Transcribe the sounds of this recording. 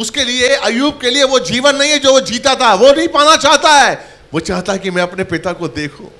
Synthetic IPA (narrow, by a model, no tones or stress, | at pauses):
ʊskelieɐjuːb̚kelieʋod͡ʒiːʋənːɐɦĩɦɛd͡ʒoːʋod͡ʒiːt̪at̪aɦɛʋonɐɦĩpaːnat͡ʃaːɦt̪aɦɛː | ʋoːt͡ʃaːɦt̪aɦɛkimɛ̃ɐpnepɪt̪akod̪eːkʰõ̰ː